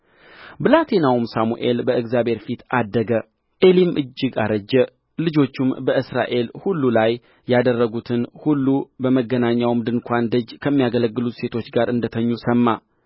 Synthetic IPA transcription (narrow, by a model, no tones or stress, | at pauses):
bɨlat̪ʰe̞nawumsamuʔe̞lbəɨɡzjabhe̞ɾfit̪ad̪ːəɡə | ʔelimʔɨd͡ʒːɪɡaɾəd͡ʒːɛ | lɨd͡ʒo̞t͡ʃːumbəɨsɾa̰ʔe̞lhulːulaj | jːad̪ərːəɡut̪ʰɨnhulːubəməɡːənaɲːawmd̪ɨnkʷʰand̪əd͡ʒkʰəmːijaɡələɡːɨlut̪se̞t̪ʰo̞t͡ʃːɡaɾɨnd̪ət̪ʰəɲːusəmːa